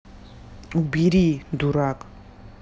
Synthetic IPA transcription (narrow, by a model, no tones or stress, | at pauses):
ubiɾid̪uɾakʼ